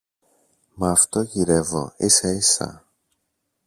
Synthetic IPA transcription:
mɐːft̪oʝiɾevo̰iseisɐ̰

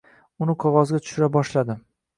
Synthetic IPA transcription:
ʊnɪqʰɒʁɒzɡʲat̪ʰʊ̥ʃʊɾabɒʃlad̪ɪ

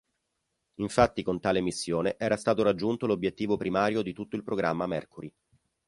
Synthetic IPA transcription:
iɱfat̪ːikont̪aːlemisːjoːneʔɛːɾast̪aːt̪oɾad͡ʒːunt̪olobjet̪ːiːvopɾimaːɾjod̪it̪ut̪ːoilpɾoɡɾʔamːamɛ̰rkuɾi

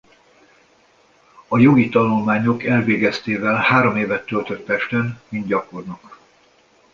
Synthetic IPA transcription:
ɒjo̞ɡit̪ɒnulmaːɲo̞kɛlveːɡɛst̪eːvɛlhaːɾomeːvɛt̪ːølt̪øt̪pɛʃt̪ɛnmint̪̚ɟɒko̞rnɒk

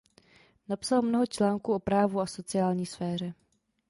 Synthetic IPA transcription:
napsalmnoɦot͡ʃlaːŋkuʔo̞pɾaːvuaso̞t͡sɪaːlɲiːsfɛːr̝ɛ

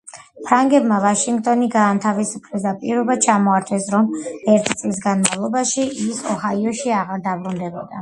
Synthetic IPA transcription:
pʰɾaŋɡɛbmavaʃiŋɡt̪ʼɔniɡaːnt̪ʰavisupʰlisd̪apʼiɾɔbat͡ʃʰamɔaɾt̪ʰɛsɾɔmɛɾt̪ʰt̪sʼlisɡanmavlˠɔbaʃiʔːsɔhaiɔʃiaʁaɾd̪abɾund̪ɛbɔd̪a

